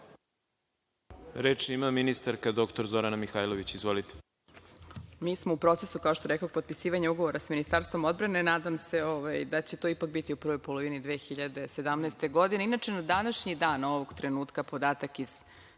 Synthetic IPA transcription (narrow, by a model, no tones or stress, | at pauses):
ɾeːt͡ʃimaminist̪aɾkad̪o̞kt̪oɾzo̞ɾanamixaːjloʋit͡ɕizʋolit̪e̥ | miːsmoupɾo̞t̪sesukaoʃt̪oɾekoɡ̚pot̪̚pisiːʋaɲeuɡo̞ʋo̞ɾasaminist̪aɾst̪ʋo̞mo̞d̪bɾane̞naːd̪amse̞oʋajd̪at͡ɕe̞t̪o̞ipak̚bit̪iuprʋojpo̞lˠo̞ʋinid̪ʋeːxiʎad̪e̞se̞d̪amnɛːst̪e̞ɡo̞d̪ineinat͡ʃenad̪anaʃɲid̪aːno̞ʋoɡt̪ɾenuːt̪kapo̞d̪aːt̪akiz̥